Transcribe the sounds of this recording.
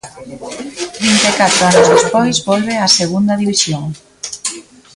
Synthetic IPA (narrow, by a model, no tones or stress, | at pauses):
t̪ɾint̪ekat̪ɾoanozðespojzβɔlβeaseɣund̪aðiβisjoŋ